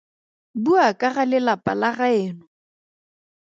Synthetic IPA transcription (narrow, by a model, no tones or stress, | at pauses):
buakʼaɣalɪlapʼalaɣaɪːnɔ